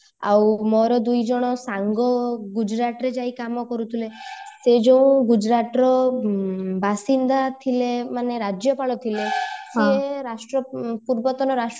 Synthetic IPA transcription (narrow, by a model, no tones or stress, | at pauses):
a̰wmɔɾɔd̪ujd͡ʒɔɽ̃ɔsaŋɡɔɡud͡ʒɾaʈɾed͡ʒaikamɔkɔɾut̪ʰilesed͡ʒeũɡud͡ʒɾaʈɾɔ | basind̪at̪ʰilemaneɾad͡ʒjɔpaɭɔt̪ʰileseɾasʈɾɔpuɾbɔt̪ɔnɔɾasʈ